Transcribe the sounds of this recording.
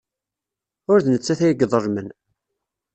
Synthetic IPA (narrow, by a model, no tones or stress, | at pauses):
ʊɾθnət͡sːæθæjɡðˤərˤmən